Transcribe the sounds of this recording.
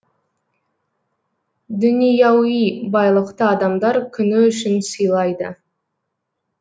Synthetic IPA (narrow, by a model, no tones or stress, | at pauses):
d̪ʏnijɑwijbɑjlˠəqt̪əɑd̪ɑmd̪ɑɾkʲʰʏnɪʏʃɪnsəjlˠɑjd̪ə̰